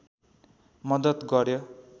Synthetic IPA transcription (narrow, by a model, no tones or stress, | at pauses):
mʌd̪ʌt̪ɡʌɾjo